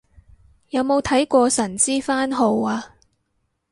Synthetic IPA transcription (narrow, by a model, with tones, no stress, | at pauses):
jɐ˨˧wmo˨˧wt̪ʰɐ˨˥jkʷɔː˧sɐ˨˩nt͡siː˥faː˥nɦo˧waː˧